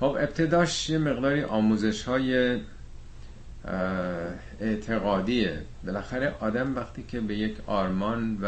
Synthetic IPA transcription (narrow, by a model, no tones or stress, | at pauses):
xobe̞b̚t̪ʰe̞d̪ɒːʃjeme̞ɣd̪ɒːɾiʔɒːmuːze̞ʃhɒːje | eʔt̪ʰe̞ɣɒːd̪iːe | be̞læxæɾeʔɒːd̪æmvæxt̪ʰiːcʰe̞be̞jecʰɒːɾmɒːnv